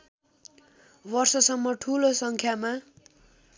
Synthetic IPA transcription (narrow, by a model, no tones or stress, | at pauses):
bʌrsʌsʌmːʌʈʰulosʌŋkʰjama